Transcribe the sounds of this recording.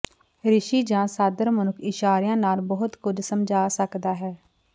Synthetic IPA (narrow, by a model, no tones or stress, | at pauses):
ɾɪʃiːd͡ʒãːsaːd̪əɾmənʊkʰɪʃaːɾjãːnaːlbɔɦʊt̪kʊd͡ʒsəmd͡ʒʱaːsəkd̪aːɦɛː